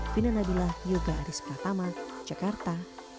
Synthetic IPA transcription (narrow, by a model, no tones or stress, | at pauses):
finanabilahjuɡaːɾispart̪amad͡ʒakart̪a